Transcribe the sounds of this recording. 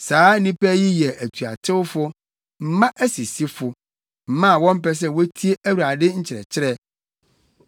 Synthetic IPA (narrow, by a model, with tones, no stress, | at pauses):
saː˨˦nĩ˦pɛ˦ji˦jɛ˨ʔæ˨tʰu˨a̰˨tʰɪ˦wʊ˦fʊ˦ | m̩˦mã˦ʔæ˦si˨si˦fʊ˨ | m̩˨mã˦˨wɔ̃˦m̩˦pɛ˦s̬ɛ˦wɔ˦tʰi˦e˦ʔæ˦wu˨ɾa˨dɪ˦ɲ̩˦t͡ɕʰɪ˨ɾɛ̰˨t͡ɕʰɪ˦ɾɛ˦